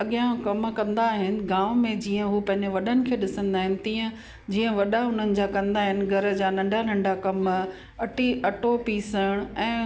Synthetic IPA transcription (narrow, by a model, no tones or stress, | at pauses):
ɐɠijãkɐmkɐ̃nd̪aːɦɪnɪ̆ɡaːʋmẽd͡ʑiːə̃ɦupɐ̃ɦɪ̃ɲd͡ʑeʋɐɗənɪ̆kʰeːɗɪsə̃nd̪aːɦɪnɪ̆t̪iːə̃ | d͡ʑiːə̃ʋɐɗaʊn̤ənɪ̆d͡ʑaːkɐ̃nd̪aːɦɪnɪ̆ɡʱɐɾə̆d͡ʑaːnɐ̃ɳɖʱanɐ̃ɳɖʱakɐm | ɐʈiɐʈopiːsəɽ̃ɛ̃ː